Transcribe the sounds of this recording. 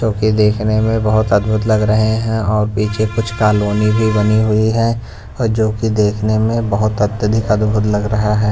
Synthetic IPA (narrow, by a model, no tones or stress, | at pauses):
d͡ʒoːkid̪eːkʰnemẽbɐɦʊt̪ɐd̪bʱʊt̪lɐɡɾɐɦeɦɛ̃ɔːɾpiːt͡ʃʰekʊt͡ʃʰkaːloːnibʱibɐniɦʊiɦɛː | ɔːɾd͡ʒoːkid̪eːkʰnemẽbɐɦʊt̪ɐt̪jəd̪ʱɪkɐd̪bʱʊt̪lɐɡɾɐɦaɦɛː